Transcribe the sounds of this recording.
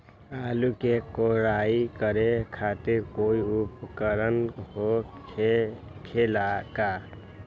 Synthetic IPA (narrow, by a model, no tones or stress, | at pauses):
aːlukekoɾaikəɾekʰaːt̪ɪɾkoiʊpkəɾənɦo | kʰelaka